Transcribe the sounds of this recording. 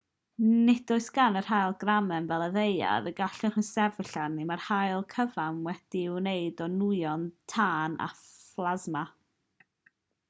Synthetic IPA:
nɪd̥ʊɨsɡ̥anər̥hajlˠɡramɛmvɛlˠəðeja̰ðəɡaɬɪχənsɛvɪɬanimarhajlˠkʰəvamwɛd̥iwneɨdɔnujɔntʰaːna̰flˠazma

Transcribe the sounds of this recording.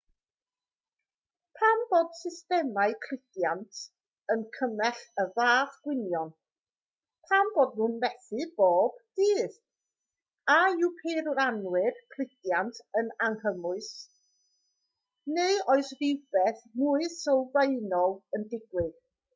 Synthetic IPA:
pʰamboːd̥sɪstɛmaɨkʰl̥ɪɡjantʰ | ənkʰəmɛɬəvaːχɡ̥wɪnjɔn | pʰamboːd̚munmɛθɨb̥oːb̥d̥iːð | auwpʰerranwɪrkʰl̥ɪɡjantʰənaŋhəmʊɨs | nejɔɨsrɪwb̥ɛθmuːɨsɔwveɨnɔlˠəndɪɡwɪɡ̥

